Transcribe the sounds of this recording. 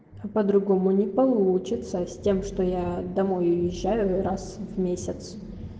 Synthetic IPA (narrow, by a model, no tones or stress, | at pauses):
ɐpəd̪ɾʊɡomʊnʲɪpɐlˠut͡ɕɪt̪səsʲtʲe̞mʂt̪ojad̪ɐmojʊjɪʑːajʊɾasvmʲesʲɪt̪s